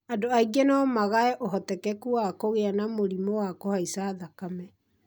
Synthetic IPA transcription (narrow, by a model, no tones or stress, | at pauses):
adoaiɡɛnɔmaɣaɛʔoɦɔtɛkɛkuakoɣeanamoɾimowakohaisaːðakamɛ